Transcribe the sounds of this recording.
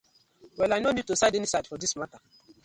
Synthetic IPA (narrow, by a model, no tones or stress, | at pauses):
wɛlajnonid̚tusaɪdɛnisaɪdfɔdismata